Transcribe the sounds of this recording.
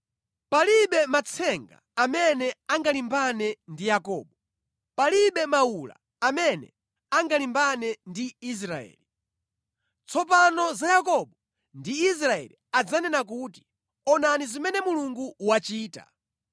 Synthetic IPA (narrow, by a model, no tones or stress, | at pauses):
paliɓɛmat͡sʰɛŋɡa̰ | amɛnɛaŋɡalimbanɛndijakɔ̰ːɓɔ | paliɓɛmaula̰ | amɛnɛ̰ | aŋɡalimbanɛndiːs̬ɾaɛ̰ːli | t͡sʰɔp̬anɔzajakɔɓɔ | ndiːs̬ɾaɛ̰liad͡zanɛnak̬uːti̥ | ɔnanizimɛnɛmuluŋɡuwat͡ʃiːta̰